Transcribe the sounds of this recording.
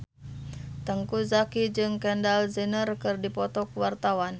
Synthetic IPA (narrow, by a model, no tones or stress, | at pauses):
t̪əŋkuzakid͡ʒɨŋkɛndalzənərkɨrdipɔt̪ɔkwart̪awan